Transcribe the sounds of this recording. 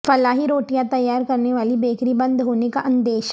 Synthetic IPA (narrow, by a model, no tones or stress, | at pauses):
fɐlaːɦiɾoːʈijãt̪ɐjːaːɾkɐɾneʋaːlibeːkɾibɐ̃nd̪ɦoːnekaʔɐ̃nd̪eːʃ